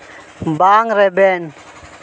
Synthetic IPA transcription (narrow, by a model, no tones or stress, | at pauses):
baːŋɾeben